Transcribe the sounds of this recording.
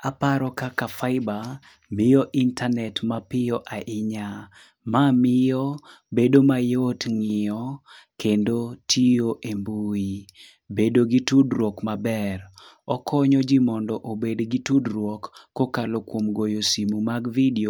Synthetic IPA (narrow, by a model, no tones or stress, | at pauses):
apaɾɔkakafaɪba | mɪjɔʔintanɛtmapɪjɔʔaʔɪɲa | mamɪjɔbedomajotŋɪɔkendotʰioʔembui | bedoɡitudɾwɔkmabɛrɔkʰɔɲɔd͡ʒimɔndɔʔobedɡitudɾwɔkːokalokwomɡojosimumaɡvidio